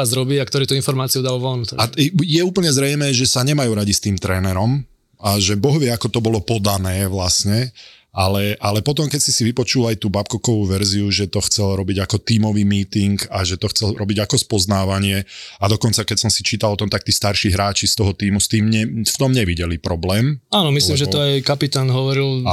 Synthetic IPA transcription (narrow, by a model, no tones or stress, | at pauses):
azɾɔbiakt̪ɔɾiːt̪uinfɔɾmaːt͡siud̪alʋɔlnut̪ɔ̰ajɛuːpl̩ɲɛzɾɛjmɛːʒɛsaɲɛmajuːɾaɟist̪iːmt̪ɾɛːnɛɾɔm | aʒɛbɔɦʋɪɛakɔt̪ɔbɔlɔpɔd̪anɛːʋlasɲɛ | ʔalɛʔalɛpɔt̪ɔmkɛcsisiʋipɔt͡ʃulajt̪uːbapkɔkɔʋuʋɛɾziuʒɛt̪ɔxt͡sɛlɾɔbiɟakɔt̪iːmɔʋiːmiːt̪iŋkaʒɛt̪ɔxt͡sɛlɾɔbiɟakɔspɔznaːʋaɲɪɛad̪ɔkɔnt͡sakɛcsɔmsit͡ʃiːt̪alˠɔt̪ɔmt̪ak̚t̪iːst̪aɾʃiːɦɾaːt͡ʃist̪ɔɦɔt̪iːmust̪iːmɲɛft̪ɔmɲɛʋiɟɛlipɾɔblɛːmaːnɔmislimʒɛɔajkapit̪aːnɦɔʋɔɾilˠ